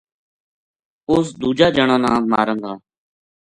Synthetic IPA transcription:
ʊsd̪uːd͡ʒaːd͡ʒəɳãːnãːma̰ːɾə̃nd̪aː

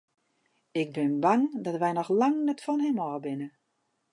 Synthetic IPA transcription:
ɪɡ̚bɪnbaŋdɔtʋɛjnɔxlaŋnɛtfɔnhɛmɔːbɪnə

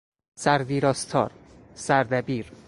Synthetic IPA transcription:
sæɾviːɾɒːst̪ʰɒːɾ | sæɾd̪æbiːɾ

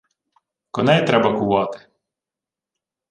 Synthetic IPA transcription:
kɔnɛjt̪ɾɛbɐkʊʋɑt̪ɪ̥

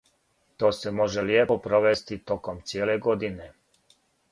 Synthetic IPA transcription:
t̪o̞ːsemo̞ʒeljepopɾoʋest̪it̪o̞komt̪sʲijeːleɡod̪ine

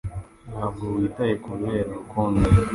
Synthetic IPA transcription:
naːvɡowiːtajekuβeːɾakoːndi

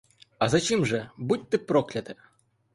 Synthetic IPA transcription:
ɐzat͡ɕimʐɛbutʲt̪ːɨpɾɔklʲɐt̪ɨ

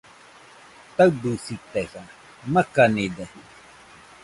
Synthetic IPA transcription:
t̪awdusit̪eha | makanide

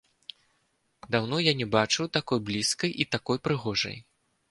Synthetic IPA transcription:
d̪awnɔjanʲɛbat͡ʂɨwt̪akɔjblʲiskɐjʔit̪akɔjpɾɨɣɔʐɐ̰j

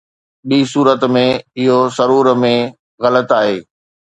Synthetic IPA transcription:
ɓiːsuːɾət̪mẽɪɦozɐɾuːɾmẽ | ɣɐlət̪aːɦeː

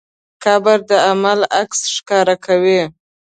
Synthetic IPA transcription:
kɑbaɾd̪əamalaksʃkɑɾakʰawi

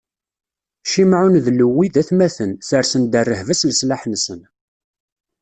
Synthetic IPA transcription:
ʃimʕunðlːəwːiðæθmæθənθəɾsənd̪ərːəhvəslslaħnsən

